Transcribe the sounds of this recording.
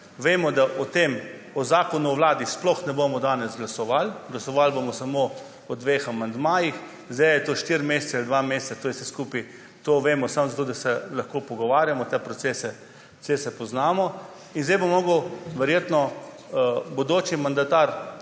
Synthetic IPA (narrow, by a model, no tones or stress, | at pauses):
ʋeːmɔd̪aʔɔt̪eːm | ɔzaːkɔnuɔʋwlaːd̪isplɔxnɛbomɔd̪aːnɛzɡlasɔʋalɡlasɔʋalbomɔsamo | ɔd̪ʋexamand̪maːjix | zd̪ɛjjɛt̪oːʃt̪iːɾmeːst͡s̪ɛald̪ʋameːst̪sat̪oːjɛfsɛskuːpi | t̪oːʋeːmɔsamzat̪oːd̪asɛlɐxkoːpɔɡɔʋaːɾjamɔt̪ɛpɾɔsesɛ | t͡s̪sesɛpɔznaːmɔ | inzd̪ejbomɔːɡəwʋɛɾjeːt̪nɔ | bod̪oːt͡ʃimand̪at̪aɾ